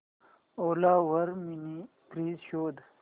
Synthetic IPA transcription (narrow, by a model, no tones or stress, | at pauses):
oːlaːwɐɾmini | pɾiːzɕoːd̪